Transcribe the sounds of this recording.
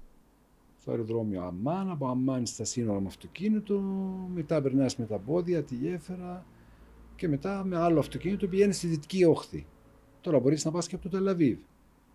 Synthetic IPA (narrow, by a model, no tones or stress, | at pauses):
st̪oḛɾoðɾo̞mioɐ̰mːɐnɐpoɐmːɐnist̪ɐsino̞ɾɐmɐft̪o̞cinit̪ome̞t̪ɐpe̞ɾnɐisme̞t̪ɐbo̞ðiɐt̪iʝe̞feɾɐ | ce̞me̞t̪ɐme̞ɐloɐft̪o̞cinit̪opiʝe̞nist̪iðit̪i̥cio̞xθḭ | t̪o̞ɾɐbo̞ɾisnɐpɐsceɐpot̪ot̪e̞lɐviv